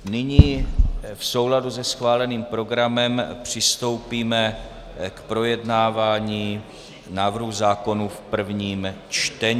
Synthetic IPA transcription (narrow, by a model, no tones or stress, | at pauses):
nɪɲiːfso̞wladuzɛsxvaːlɛniːmpɾo̞ɡɾamɛmpr̝̥ɪst̪o̞wpiːmɛ | kpɾo̞jɛdnaːvaːɲiː | naːvr̩ɦuzaːko̞nufpr̩vɲiːm | t͡ʃt̪ɛɲ